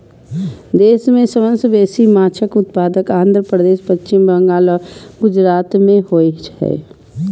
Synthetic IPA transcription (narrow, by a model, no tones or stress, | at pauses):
d̪eːsmẽsəmə̃nsbeːsimaːt͡ʃʰəkʊt̪paːd̪əkãːnd̪ɾəpɾəd̪eːʃpət͡ʃt͡ʃɪmbə̃ŋɡaːlɔɡʊd͡ʒɾaːt̪mẽɦoit͡ʃɦɛ̰ː